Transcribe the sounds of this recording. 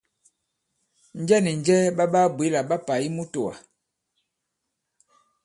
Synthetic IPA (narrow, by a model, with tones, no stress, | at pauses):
n̩˦d͡ʒɛ˦ni˨n˨d͡ʒɛ˦ba˦ba˦bwe˨˦la˨ɓa˦pa˨i˦mu˦to˨a̰˨